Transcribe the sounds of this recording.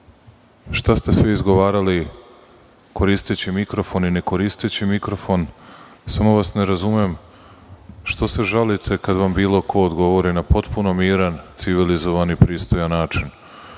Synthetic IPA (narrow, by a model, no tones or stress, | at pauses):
ʃt̪ast̪e̞sʋiizɡo̞ʋaːɾali | ko̞ɾist̪et͡ɕimikɾo̞fo̞nine̞ko̞ɾist̪et͡ɕimikɾo̞fo̞nsamo̞ʋasne̞ɾazumem | ʃt̪o̞seʒalit̪ʰe̞kad̪ʋambiːlˠo̞kʰo̞ːd̪ɡo̞ʋo̞ɾinapo̞t̪puno̞miːɾant̪siʋilizo̞ʋanipɾiːst̪o̞janːaːt͡ʃin